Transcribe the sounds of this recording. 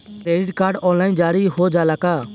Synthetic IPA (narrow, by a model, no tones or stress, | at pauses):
kɾeːɖɪʈkaːɾɖɔ̃ːnlaːɪnd͡ʒaːɾiɦod͡ʒaːlakaː